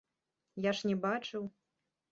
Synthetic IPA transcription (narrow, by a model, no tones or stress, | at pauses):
jaʂnʲɛbat͡ʂɨw